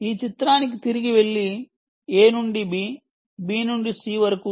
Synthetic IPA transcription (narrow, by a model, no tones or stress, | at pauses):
iːt͡ʃit̪ɾaːnik̬it̪iɾiɡiʋeɭːi | eːnuɳɖibiː | biːnuɳɖisiːʋɐɾɐku